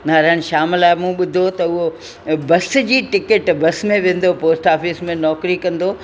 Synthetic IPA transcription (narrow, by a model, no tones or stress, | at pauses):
naːɾəɽ̃̆ʃaːmɪlaːɪmũɓʊd̪ʱot̪ɐʊɦo | bɐsd͡ʑiːʈɪkeʈbɐsmẽʋẽːn̆d̪opoːsʈaːfiːsmẽnɔːkɾikɐ̃nd̪oː